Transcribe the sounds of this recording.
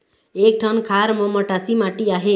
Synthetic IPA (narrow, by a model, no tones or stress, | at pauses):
ek̚ʈʰʌnkʰaɾmʌmʌʈasimaʈiaɦe